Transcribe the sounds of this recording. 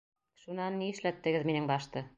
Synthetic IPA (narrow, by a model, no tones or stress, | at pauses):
ʃunɑnːiɘ̆ʃlæt̪ːɘ̆ɡɘðminɘŋbɑʃt̪ɤ